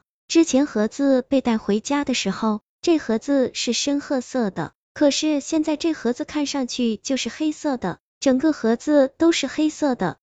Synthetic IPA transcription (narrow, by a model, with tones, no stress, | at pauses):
ʈ͡ʂɻ̩˥t͡ɕʰjɛ˧˥nxɤ˧˥t͡sɹ̩˥˧pe˥˧ɪt̪a˥˩ɪxwe˧˥ɪt͡ɕja˥d̪ə˨ʂɻ̩˧˥xo˥˧ʊ | ʈ͡ʂɤ˥˩xɤ˧˥t͡sɹ̩˥˧ʂɻ̩˥˩ʂə˥nxɤ˥˧sɤ˥˩d̪ə̰˩ | kʰɤ˨˩ʂɻ̩˥˩ɕjɛ˥˧nt͡sa˥˧ɪʈ͡ʂɤ˥˩xɤ˧˥t͡sɹ̩˥˧kʰa˥˧nʂɑ˥˧ŋt͡ɕʰy˥˩t͡ɕjo˥˧ʊʂɻ̩˥˩xe˥ɪsɤ˥˩d̪ə˩ | ʈ͡ʂə˨˩ŋkɤ˥˧xɤ˧˥t͡sɹ̩˥˧t̪o˥ʊʂɻ̩˥˩xe˥ɪsɤ˥˩d̪ə˩